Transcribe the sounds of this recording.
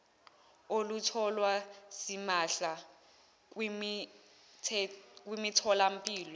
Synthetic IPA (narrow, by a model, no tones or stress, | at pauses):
olutʰɔlwasimaɬa | m | tʰɛk̬ʼwimitʰɔlam̩pʼiːlɔ